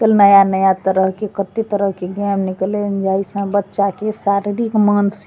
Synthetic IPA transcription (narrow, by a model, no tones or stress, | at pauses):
kəlnəjanəjat̪əɾəɦkekət̪et̪əɾəɦkeɡɛmniklend͡ʒaisə̃bətːʃakesaɾiɾikməns